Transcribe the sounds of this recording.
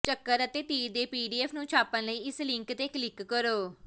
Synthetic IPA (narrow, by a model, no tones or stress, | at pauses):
t͡ʃəkːəɾət̪eːt̪iːɾd̪eːpiːɖiːɛːpʰnũːt͡ʃʰaːpːənləiːɪslɪ̃ŋkt̪eːklɪkːəɾoː